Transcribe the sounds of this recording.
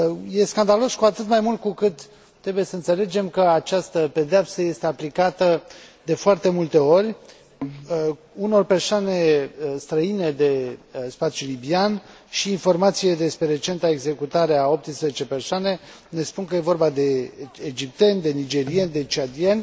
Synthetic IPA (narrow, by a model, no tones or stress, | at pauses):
je̞skand̪alo̞skuat̪ɨt̪majmult̪̚kukɨt̪ː | ɾe̞buje̞səɨnt̪se̞le̞d͡ʒe̞mkəat͡ʃast̪əpe̞d̪eapsəje̞st̪e̞aplikat̪əd̪e̞foart̪e̞mult̪e̞o̞rʲ | uno̞rpe̞rsoane̞st̪ɾəine̞d̪e̞spat̪sjulibian | ʃiːnfo̞rmat̪sije̞d̪e̞spɾe̞ɾe̞t͡ʃe̞nt̪ae̞ɡze̞kut̪aɾe̞ao̞p̚t̪ɨnspɾezet͡ʃe̞pe̞rsoane̞ | ne̞spunkəje̞vo̞rbad̪e̞ːd͡ʒip̚t̪e̞nʲd̪e̞nid͡ʒe̞ɾienʲd̪e̞t͡ʃiad̪ienʲ